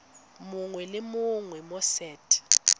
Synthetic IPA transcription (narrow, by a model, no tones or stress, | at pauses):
muŋwɛlɪmʊŋwɛmɔsɛːtʰʼi̥